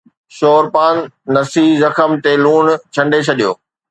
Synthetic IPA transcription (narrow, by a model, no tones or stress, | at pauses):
ʃoːɾpaːnːɐsizɐxəmt̪eluːnt͡ɕʰɐ̃ɳɖet͡ɕʰɐɗijoː